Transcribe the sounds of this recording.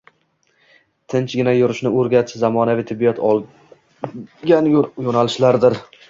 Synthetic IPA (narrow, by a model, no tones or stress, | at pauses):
t̪ʰɪnt͡ʃɡʲɪnajʊɾɪʃnɪoɾɡʲat̪ʰɪʃzamɒnavɪt̪ʰɪbːijɒt̪ʰɒlˠ | ɡʲanjjonalɪʃlaɾd̪ɪɾ